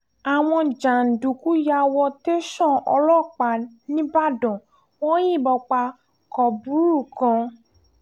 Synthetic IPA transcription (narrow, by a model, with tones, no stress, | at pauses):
a˨w̃ɔ̃˧d͡ʒa˨n̩˨du˨ku˨˦ja˧wɔ˧te˦ʃɔ̃˦˨ɔ˧lɔ˦˨k͡pa˨nĩ˦ba˦˨dɔ̃˨ | wɔ̃˦ji˦˨bɔ˧k͡pa˧ | kɔ˨bu˨˦ɾu˦˨kã˧